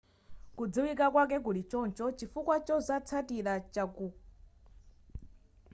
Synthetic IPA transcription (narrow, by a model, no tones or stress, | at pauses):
kud͡ziwikakwak̬ɛk̬ulit͡ʃɔnt͡ʃɔt͡ʃifukwat͡ʃɔzat͡sʰatiɾat͡ʃaku